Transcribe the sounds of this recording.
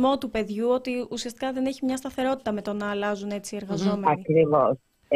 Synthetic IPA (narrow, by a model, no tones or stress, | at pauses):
mo̞t̪upe̞ðʝuo̞t̪iusiɐst̪i̥kɐðe̞ne̞çimɲɐst̪ɐθe̞ɾo̞t̪i̥t̪ɐme̞t̪o̞nɐːlɐzune̞t͡ssie̞ɾɣɐzo̞me̞ɐnikɾivos